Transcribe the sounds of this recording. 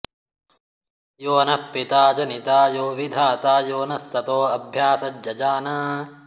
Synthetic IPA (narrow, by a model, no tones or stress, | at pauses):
joːnɐpːit̪aːd͡ʒɐnit̪aːjoːʋid̪ʱaːt̪aːjoːnɐst̪ɐt̪oːɐbʱjaːsɐdjɐd͡ʒaːnaː